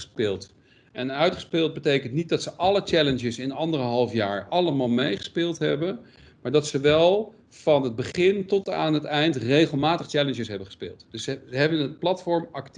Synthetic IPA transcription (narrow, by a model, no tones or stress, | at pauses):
əspɪːlˠt | ʔɛnœɥtχə̥spɪːlˠd̚bətejkəntnit̚dɑtsəʔɑlət͡ʃɛlənd͡ʒəsɪnɑndərəɦɑlˠfjaːɹɑləmaːlˠmejχə̥spɪːlˠtɦɛbən | maːɹdɑtsəʋɛlˠ | v̥ɑnəd̚bəχɪntɔta̰ːnətɛjntrejχəlˠmaːtəχt͡ʃɛlənʃəsɦɛbəχə̥spɪ̰ːlˠtd̥ɵsəzəɦɛbənət̚plɑtfɔɹmɑkt